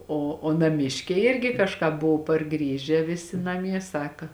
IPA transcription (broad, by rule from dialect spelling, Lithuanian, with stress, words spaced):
oː oː nɐˈmʲɪʃʲkʲɛɪ ˈɪrʲɡʲɪ kɐʃˈkɑː ˈbʊʋʊ pɐrˈɡrʲiːʒʲæː ˈʋʲɪsʲɪ nɐˈmʲiɛ ˈsɑːkɐ